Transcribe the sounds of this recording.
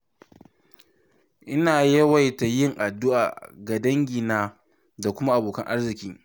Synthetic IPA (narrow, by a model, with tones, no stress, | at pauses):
ʔɪ˦naː˨jɐ˦wa˨jta˨jɪ˦˨ŋʔa˨dʊ˦ʔa̰ː˨ɡa˨dɐ˦ŋɡʲi˨naː˦ | da˨kʷʊ˦ma˦ʔa˨boː˨kɐ˦ŋʔa˦rzɪ˨kʲiː˦